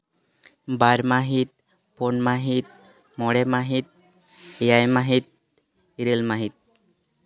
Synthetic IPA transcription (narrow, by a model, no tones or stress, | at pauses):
baɾmaɦit̪̚ | ponmaɦit̪̚ | mɔɽemaɦit̪̚ | jajmaɦit̪̚ | iɾelmaɦit̪̚